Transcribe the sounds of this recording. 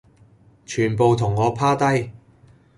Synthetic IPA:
t͡ʃʰyː˨˩npo˨wt̪ʰʊ˨˩ŋːɔː˨˧pʰaː˥t̪ɐ˥j

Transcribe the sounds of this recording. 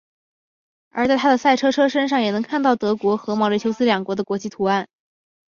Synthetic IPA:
ə˞˧˥t͡sa˥˧a˥d̪ə˨˩sa˥˩ɪʈ͡ʂʰɤ˥ʈ͡ʂʰɤ˥ʂə˥nʂɑ˥˩ŋjɛ˨˩nɤ˧˥ŋkʰa˥˧nt̪ɑ˥˩ʊt̪ɤ˧˥kwɔ˧˥xɤ˧˥mɑ˥˩ʊɻt͡ɕʰo˥ʊsɹ̩˥ljɑ˨˩ŋkwɔ˧˥d̪ə˧kwɔ˧˥t͡ɕi˥˩t̪ʰu˧˥a˥˩n

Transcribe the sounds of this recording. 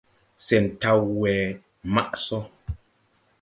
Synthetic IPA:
sɛ˨n̩˨ta˦wɛː˨ | ma˦ʔsɔ˦

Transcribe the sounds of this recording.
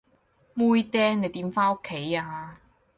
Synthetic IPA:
muː˥jt̪ɛː˦˥ŋne˨˧t̪iː˨˥mfaː˥no˥kʰːe˨˥jaː˧

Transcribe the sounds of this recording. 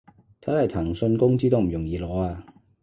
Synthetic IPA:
t̪ʰɐ˨˥hɐ˨jt̪ʰɐ˨˩ŋsɵ˧nkʊ˥ŋt͡siː˥t̪o˥m̩˨˩jʊ˨˩ŋjiː˨˧lɔː˨˥aː˧

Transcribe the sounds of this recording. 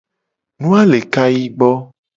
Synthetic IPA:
nũ˦a˦le˨ka˦ji˦ɡ͡bɔ˦

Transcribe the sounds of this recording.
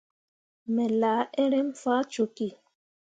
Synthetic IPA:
mɛ˨laː˨˦e˦ɾe˦m˦faː˦t͡ʃo˨ki˦˨

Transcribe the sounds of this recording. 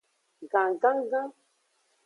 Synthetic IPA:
ɡã˨ŋ˨ɡa˦ŋ˦ɡã˦

